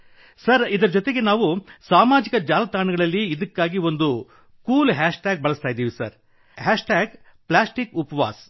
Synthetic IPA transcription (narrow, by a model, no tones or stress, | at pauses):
sɐɾid̪ɐɾɐd͡ʒot̪e̞ɡe̞naːʋusaːmaːd͡ʒikɐd͡ʒaːlɐt̪aːɳɐɡɐɭɐlːiːd̪ɐkːaːɡio̞nd̪u | kuːlɦaːʂʈaːɡ̚bɐɭɐst̪aːjd̪ːiːʋisɐ̰ɾ | ɦaːʂʈaːɡ | plaːsʈikupɐʋa̰ːs